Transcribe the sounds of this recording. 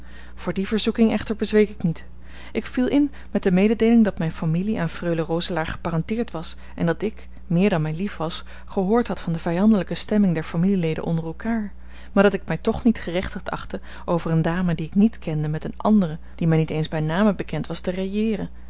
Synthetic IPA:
v̥ʊːɹdivəɹzukɪŋɛχtəɹbəzʋejkɪknit | ʔɪkfilˠɪn | mɛt̚dəmejdədejlɪŋdɑtmɛjnfamiliʔaːnfrøɥlərowzəlaːɹχə̥parɑntɪːɹtʋɑs | ʔɛ̰ndɑtɪk | mɪːɹdɑnmɛjlifʋɑs | χəɦʊːɹtɦɑtfɑndəvɛjɑndələkəstɛmɪŋdɛɹfamililejdə̰nʔɔ̰ndərɛlˠkaːɹ | maːɹdɑtɪk̚mɛjtɔχnitχərɛχtəχtɑ̰χtə | ʔowvərəndaːmədiɪknitkɛndəmɛtənʔɑ̰ndərə | d̥imɛjnitejnzbɛjnaːməbəkɛntʋɑstərejɪːrən

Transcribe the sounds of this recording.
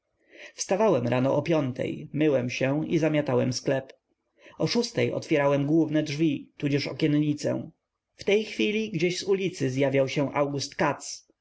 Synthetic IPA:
fst̪avawɛmɾanɔ̰ʔɔpʲjɔnt̪ʰɛ̰jmɘwɛmɕɛizamʲjat̪awɛmsklɛp | ɔʂust̪ɛjɔ̰t̪fʲjɛɾawɛmɡwuvnɛdʐvʲit̪ud͡ʑɛʂɔ̰kʲɛnʎit̪sɛ̰̃ | ft̪ɛjxfʲilʲiɡd͡ʑeɕzulʲit̪sɘzjavʲjawɕɛw̃ʔawɡust̪kat̪s

